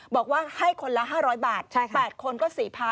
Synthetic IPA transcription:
bɔː˨˩k̚waː˥˩ha˥˩jkʰo˧nla˦˥ɦaː˥˩ɾɔː˦˥jbaː˨˩t̪̚t͡ɕʰa˥˩pɛː˨˩t̪̚kʰo˧nkɔː˥˩siː˩˦pʰa˧

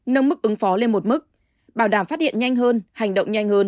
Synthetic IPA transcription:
nə˧mɨ˦˥k̚ʔɨ˨˦ŋfɔ˨˦le˧nmo˨˩t̚mɨ˦˥k̚ | ɓaː˧˩wɗaː˧˩mfaː˦˥t̚hḭ˧˨ə˨nɲa˧jŋ̟ɦəː˧nha˨˩jŋ̟ɗə̰˧˨wŋ͡mɲa˧jŋ̟həː˧n

